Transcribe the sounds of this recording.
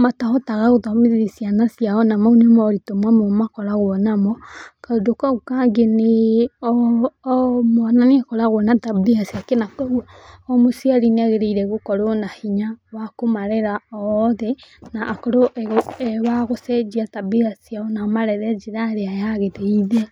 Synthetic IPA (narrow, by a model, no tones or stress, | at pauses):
matahɔtaɣaɣoðɔmiðiisianasjaɔnamaunemɔɾitomwamomakɔɾaɣoɔnamɔkaodokaɣukaŋɡeneɔ | mɔnaniakɔɾaɣwɔnatabiasiakenakow | ɔmosiaɾineaɣeɾeiɾɛɣokɔɾonahiɲawakomaɾeɾaɔðɛnaʔːkoɾoʔɛɣɛwaɣosɛd͡ʒiatabiasiaonamaɾɛɾɛd͡ʒiɾaɾeajaɣeteiðea